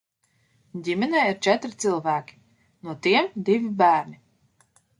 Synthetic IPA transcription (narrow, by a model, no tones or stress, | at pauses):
dʲimʲɛnɛːiɾt͡ʃɛt̪ɾit̪sɨlˠvæːkʲi̥ | nuɔt̪iɛmd̪ivibæːɾni